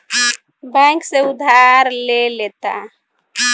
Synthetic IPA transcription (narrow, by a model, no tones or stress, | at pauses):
bɛ̃ŋkseud̪ʱaɾlelet̪a̰